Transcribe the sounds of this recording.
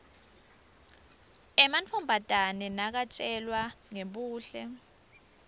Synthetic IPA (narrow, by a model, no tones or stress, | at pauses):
ɛmant͡fʰɔmbʱad̥ʱanɛnak̬at͡ʃʼɛlwaŋeɓuːɬɛ